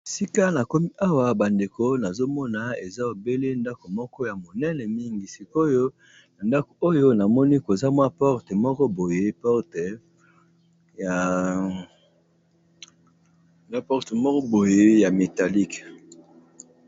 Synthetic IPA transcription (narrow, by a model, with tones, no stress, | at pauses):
si˦ka˦na˨ko˦mi˦ʔa˦wa˨ba˨nde˨ko˦na˨zo˦mɔ˦na˨e˨za˦o˨be˦le˦nda˦ko˨mɔ˦kɔ˦ja˨mo˨nɛ˦nɛ˨mi˦ŋɡi˨si˨ko˦jo˦ | na˨nda˦ko˨o˦jo˦na˨mɔ˦ni˦ko˨za˦mwa˦pɔ˦ʁte˨mɔ˦kɔ˦bo˨je˦pɔ˦ʁt | ja˨ | mwa˦pɔ˦ʁtmɔ˦kɔ˦bo˨je˦ja˨me˨ta˨li˦k